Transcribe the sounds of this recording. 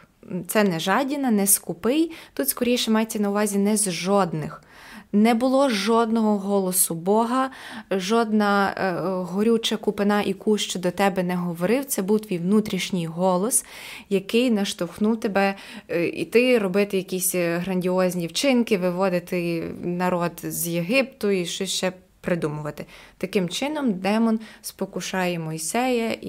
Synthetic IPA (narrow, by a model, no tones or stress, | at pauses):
t̪sɛnɛʒɑdʲinɐnɛskʊpɪjt̪ut̪skɔɾʲijʃɛmɑjet͡sʲːɐnɐʊʋɑzʲinɛzʒɔd̪nɪx | nɛbʊlˠɔʒɔd̪nɔɦɔɦɔlˠɔsʊbɔɦɐʒɔd̪nɐ | ɦɔɾʲut͡ʃɐkʊpɪnɑʔikuʃt͡ʃɔd̪ɔt̪ɛbɛnɛɦɔʋɔɾɪwt̪sɛbuwt̪ʋʲijwnut̪ɾʲiʃnʲijɦɔlˠɔs | jɐkɪjnɐʃt̪ɔxnuwt̪ebɛ | ḭt̪ɪɾɔbɪt̪ɪjɐkʲisʲɦɾɐnʲdʲiɔzʲnʲiwt͡ʃɪnkɪʋɪʋɔd̪ɪt̪ɪnɐɾɔd̪zjeɦɪp̚t̪ʊiʃt͡ʃɔʃt͡ʃɛ | pɾɪd̪umʊʋɐt̪ɪt̪ɐkɪmt͡ʃɪnɔmd̪ɛmɔnspɔkʊʃɑjɛmɔjsɛjɐi